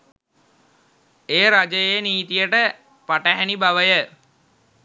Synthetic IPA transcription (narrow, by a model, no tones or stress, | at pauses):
eːɾad͡ʒəjejniːt̪ijəʈə | paʈəɦænibaʋəjə